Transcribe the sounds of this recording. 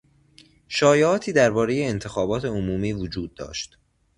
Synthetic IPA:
ʃɒːjeɒːt̪ʰiːd̪æɾbɒːɾeje̞ːnt̪ʰe̞xɒːbɒːt̪ʰe̞omuːmiːvod͡ʒuːd̪̚ːɒ̰ːʃt̪

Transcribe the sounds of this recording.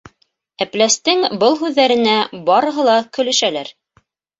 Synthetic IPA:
æplæst̪ɘŋbɤlˠɦʉðːæɾɘ̆næbɑɾɤ̆ɦɤ̆lˠɑkɵ̆lɘ̆ʃælæɾ

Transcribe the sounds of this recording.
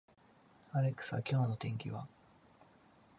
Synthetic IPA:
aɾe̞kɯ̥sa̰kʲo̞ːno̞t̪ẽ̞ŋkʲḭβa̰

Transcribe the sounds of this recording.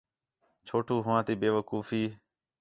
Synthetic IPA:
t͡ʃʰoːʈuːɦʊʋãːt̪iːbeːʋəkuːfiː

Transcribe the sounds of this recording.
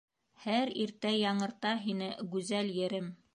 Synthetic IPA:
hæɾiɾt̪æjɑɴɤ̆ɾt̪ɑɦinɘɡʉzæljɘ̆ɾɘm

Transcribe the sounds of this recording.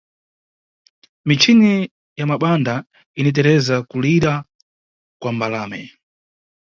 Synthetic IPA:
mit͡ʃʰini | jamaɓanda | init̬ɛɾɛzakuliɾa | kwambalaːmɛ

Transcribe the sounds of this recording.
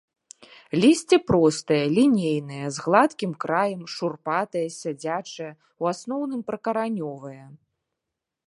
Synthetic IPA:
lʲisʲt͡sʲɛpɾɔst̪ɐjɐlʲinʲejnɨjɐzɣlˠat̪kʲimkɾajɐmʂurpat̪ɐjɐsʲad͡zʲat͡ʂɐjɐ | wasn̪ɔwnɨmpɾɐkɐɾanʲɔvɐjɐ

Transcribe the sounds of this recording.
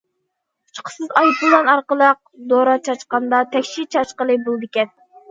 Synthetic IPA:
u̥t͡ʃqʰə̥sɨzɑjpʊlˠɑnɑɾqəlˠəq̚d̪oɾɑt͡ʃʰɑt͡ʃqɑnd̪ɑt̪ʰɛkʲʃit͡ʃʰɑt͡ʃqəlˠɨbolˠd̪ɪkʲɛn

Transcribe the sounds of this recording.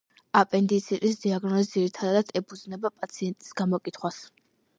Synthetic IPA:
apʼɛnd̪it̪sʰiɾʼis̬d̪iaɡnɔzisd̪ziɾit̪ʰad̪ad̪̥ɛpʰud̪znɛbapʼat̪sʰiɛnt̪ʼi̥sɡamɔkʼit̪ʰχwas

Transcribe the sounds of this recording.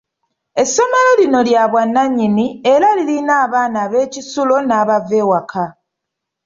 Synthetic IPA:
e̞sːo̞melo̞lino̞ljaːβwanːaɲːinie̞ɾalilinaːβaːnaːβe̞ːcisulo̞naːβave̞ːwakʰa

